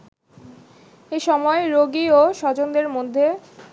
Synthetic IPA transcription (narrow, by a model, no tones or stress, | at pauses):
eʃɔmɔeɾoɡioʃɔd͡ʑond̪eɾmod̪ʱːe